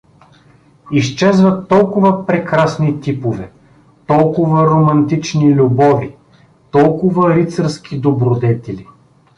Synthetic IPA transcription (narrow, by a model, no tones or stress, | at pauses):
ist͡ʃɛzvət̪ːɔlˠkʊvəpɾɛkɾasnit̪ipovɛ | t̪ɔlˠkʊvəɾomɐnt̪it͡ʃnilʲubɔvi | t̪ɔlˠkʊvəɾit̪səɾskʰʲid̪obɾod̪ɛt̪ɛli